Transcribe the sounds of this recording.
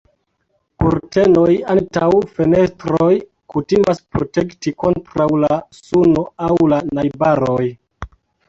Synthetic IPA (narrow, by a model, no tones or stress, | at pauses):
puɾte̞no̞jantawfe̞ne̞stɾoj | kutimaspɾotektiko̞ntɾawlasuno̞awlanajbaɾoj